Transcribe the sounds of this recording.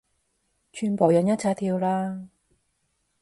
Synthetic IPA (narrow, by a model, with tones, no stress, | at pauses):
t͡ʃʰyː˧npoː˨˩wjɐ˨˥njɐ˥t̚t͡sʰaː˧t̪ʰiː˧wlaː˥